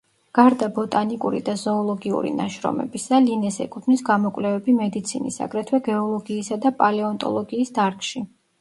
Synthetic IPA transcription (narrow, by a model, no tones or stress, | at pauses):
ɡ̥aɾd̪abɔt̪ʼanikʼuɾḭd̪azɔːlˠɔɡiṵɾḭnaʃɾɔ̰mɛ̰bisalinɛsɛ̰kʼut̪ʰnisɡamɔkʼwlɛvɛbimɛd̪it̪sʰinḭsa̰ɡɾɛt̪ʰwɛɡɛɔlˠɔɡiːsad̪apʼalɛɔnt̪ʼɔ̰lˠɔɡiːsd̪aɾkʰʼʃi